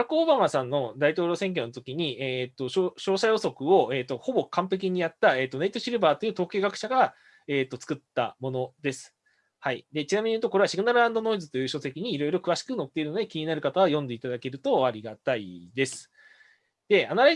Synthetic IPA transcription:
ɾakɯobamasãnːo̞d̪ait̪o̞ːɾʲo̞ːseŋk̬ʲo̞not̪o̞kʲiɲ̟ieːt̪ːo̞oɕo̞ːsajo̞so̞kɯ̟o̞eːt̪ːo̞ho̞bo̞kãmpe̞k̬ʲiɲ̟ijat̪ːae̞ːt̪ːo̞neit̪oɕiɾɯ̟baːt̪o̞jiɯ̟ːt̪o̞ːkʲe̞ːɡakɯ̟ɕaɡa | e̞ːt̪ːo̞t͡sɨ̥kɯ̟t̪ːa̰mo̞no̞d̪e̞sɨ̥ | haid̪e̞t͡ɕinamʲiɲ̟ijɯ̟t̪okoeaɕiɡɯnaɾɯ̟ɾãnd̪o̞no̞izɨt̪o̞jɯ̟ːɕo̞se̞kʲiɲ̟iːɾo̞iɾo̞kɯβ̞aɕi̥kɯ̟no̞t̪ːe̞iɾɯ̟no̞d̪ekʲiɲ̟inaɾɯ̟kat̪aβajõnd̪e̞it̪ad̪ake̞ɾɯ̟t̪o̞aɾʲiɡat̪aḭd̪e̞sɨ̥ | d̪̥e̞anaɾa

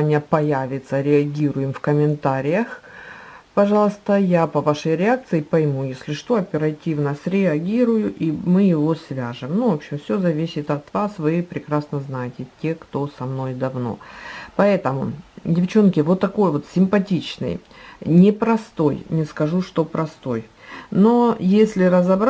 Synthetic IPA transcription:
nʲɪjəpɐjavʲɪt̪səɾʲɪɐɡʲiɾʊjɪmfkəmʲɪnt̪aɾʲɪjəx | pɐʐɑlˠst̪əjapɐvaʂəjɾʲɪak̚t̪sɨɪpɐjmujesʲlʲɪʂt̪o̞ɐpʲɪɾɐtʲivnəsʲɾʲɪɐɡʲiɾʊjʊʔimɨjɪvo̞svʲaʐɨmnuvopɕɪmfsʲozɐvʲisʲɪt̪ɐt̪vasvɨpɾʲɪkɾasnəznajɪtʲɪtʲe̞kt̪o̞sɐmno̞jd̪ɐvno̞̰pɐɛt̪əmʊ̰dʲɪft͡ɕo̞nkʲɪvo̞t̪ːɐko̞jvo̞t̪sʲɪmpɐtʲit͡ɕnɨ̰jnʲɪpɾɐst̪o̞jnʲɪskɐʐuʂt̪o̞pɾɐst̪o̞̰jno̞jesʲlʲɪɾəzɐbɾ

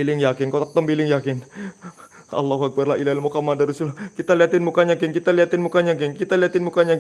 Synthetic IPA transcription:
ilɪŋjakɪnkaot̪ak̚t̪əmbilɪŋjakɪn | ʔɑ̰lːaɦuak̚barlaʔilahlmukamadaɾusulkit̪aliat̪ɪnmukaɲakɪŋkit̪aliat̪ɪnmukaɲak̬ɪŋkit̪aliat̪ɪnmukaɲak

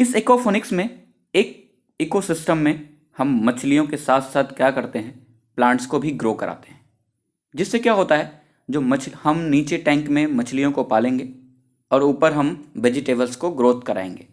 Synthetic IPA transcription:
ɪseːkofoːnɪksmẽ | eːk̚ | ɪːkosɪsʈəmːẽ | hɐmːɐt͡ʃʰlijõkesaːt̪ʰsaːt̪ʰkjaːkɐɾt̪eɦɛ̃ː | plãːɳʈskobʱiɡɾoːkɐɾa̰ːt̪e̥ɦɛ̃ː | d͡ʒɪsːekjaːɦoːt̪aɦɛ | d͡ʒoːmɐt͡ʃʰhɐmniːt͡ʃeʈɛ̃ːŋkmẽmɐt͡ʃʰlijõkopaːlẽːŋɡeː | ɔːɾuːpəɾɦɐmʋed͡ʒɪʈeːbəlskoɡɾoːt̪kɐɾa̰ːḛ̃ːŋɡḛː

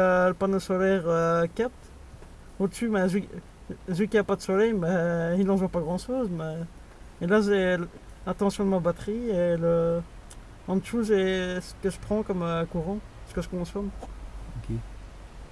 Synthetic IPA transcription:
ələpanosɔlɛʁøkap̚t̪ | od̪əsymɛʒi | ʒykʲiapad̪əsɔlɛjmɛilɑ̃ʒwãpaɡʁɑ̃ʃoːzmɛ | elaʒɛ | lãt̪ɑ̃sjɔ̃d̪əmabat̪χielə | ɑ̃d̪ʃuzɛsə̥kəʒəpχɑ̃kɔmøkuʁɑ̃sə̥kəʒəkɔ̃sɔʁmokʲe

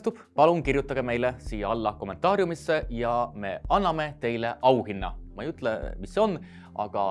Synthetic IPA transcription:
t̪ub̥pɑlunkirjut̪ːˑɑɡ̥eme̞jlesiːjɑɑlːɑko̞ment̪ːˑɑːɾjumisːe̞jɑme̞ɑnːɑme̞t̪e̞jleʔɑwhinːɑ̰mɑijyt̪ːˑlemisːeo̞nː | ʔɑ̰ɡ̥ɑ

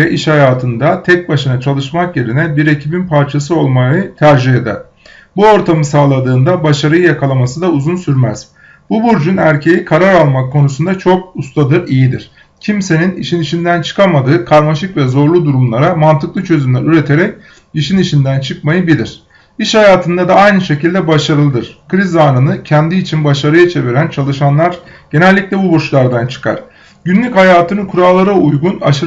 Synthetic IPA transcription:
ɛʔiʃhajaːt̪ʰɯnd̪at̪ʰɛc̚baʃɯnat͡ʃʰalˠɯʃmakje̞ɾinɛbiɾe̞cʰibinpʰaɾt͡ʃʰasɯo̞lˠmajɯt̪ʰæɾʒiɦed̪ɛ̰ | buo̞ɾt̪ʰamɯsaːlˠad̪ɯːnd̪abaʃaɾɯjɯjakʰalˠamasɯd̪auzunsyɾmæz̥ | b̥ubuɾd͡ʒunæɾcʰe̞jikʰaɾaɾalˠmakʰːo̞nusund̪at͡ʃʰo̞kust̪ʰad̪ɯɾijid̪iɾ̥ | cʰimse̞niniʃiniʃind̪ænt͡ʃʰɯ̥kʰamad̪ɯːkʰaɾmaʃɯkvɛzo̞ɾlˠud̪uɾumlˠaɾamant̪ʰɯklˠɯt͡ʃʰø̞zymlæɾyɾe̞t̪ʰe̞ɾɛc̚ | iʃiniʃind̪ænt͡ʃʰɯkmajɯbilʲiɾ̝̥ | iʃhajaːt̪ʰɯnd̪ad̪aajnɯʃe̞cilʲd̪ɛbaʃaɾɯlˠɯd̪ɯɾ̥kʰɯɾizaːnɯnɯcʰɛnd̪iːt͡ʃʰinbaʃaɾɯjat͡ʃʰe̞viɾænt͡ʃʰalˠɯʃanlˠaɾ̥ɟ̥e̞nɛlʲːiclʲɛbuboʃlˠaɾd̪ant͡ʃʰɯ̥kʰa̰ɾ̥ | ɟynlʲychajaːt̪ʰɯnɯkʰuɾaːlˠaɾaujɡunaʃɯ

